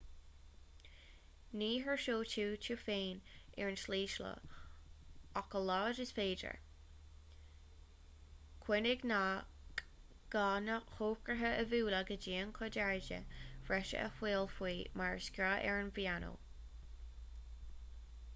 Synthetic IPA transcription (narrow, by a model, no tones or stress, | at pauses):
niːɦəɹʃoːt͡ʃʰuːt͡ʃʰufeːnɛɹnsliːʃlə̰ | ɔkəlɑːdɪsfeːdə̰ɹ | kʰwɪnɪɡna | k | ɡ̥aːnəxoːkɹəɦəʔəvuːlaɡəd͡ʒiːənkʰɔdaɹd͡ʒə̰v̥ɹɛʃə̰ʔə̰xweːlfwiːmaɹskʲɾaːʔɛɹnvianʔo̰ː